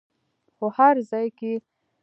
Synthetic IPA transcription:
xohaɾzɑjke

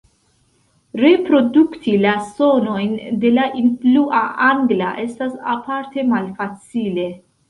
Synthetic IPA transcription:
ɾe̞pɾo̞duktilaso̞no̞jnde̞laʔinfluʔaʔaŋɡla̰ʔe̞stasa̰paɾte̞malfat͡sile̞

